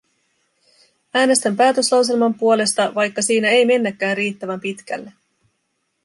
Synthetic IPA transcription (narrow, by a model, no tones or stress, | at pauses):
æːne̞st̪æmpæːt̪ø̞slɑws̬e̞lmɑmpuo̞le̞st̪ɑʋɑjkːɑsiːnæe̞jme̞nːækːæːnriːt̪ːæʋæmpit̪k̟æ̰lːe